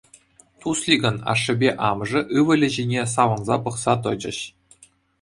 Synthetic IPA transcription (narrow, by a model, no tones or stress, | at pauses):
t̪uslʲiɡʲɤ̆nɑ̰ʂːɘ̆bʲeʔɑmʐɤ̆ʔɯʋɘ̆lʲɘ̆ʑenʲes̬ɑʋɤ̆nzɑpɤ̆χsɑt̪̬ɤ̆d͡ʑɘ̆ɕ